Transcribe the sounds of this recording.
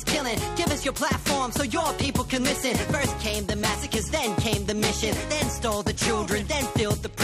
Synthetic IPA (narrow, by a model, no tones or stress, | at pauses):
kʰɪlˠɪ̃ŋɡ̥ɪvʌsjə˞pʰl̥ætfɔɹmsoʊjə˞pʰipl̩ˠkʰɨ̃nlɪsɨ̃nfɜ˞s̚kʰẽɪ̃mðɨmæsɨkɨsðɨ̃nkʰẽɪ̃mðɨmɪʃɨ̃nðɨ̃nstoʊlˠðɨt͡ʃʰɪlˠdɹɨ̃nðɨ̃nfɪlˠd̪̚ðɨpʰ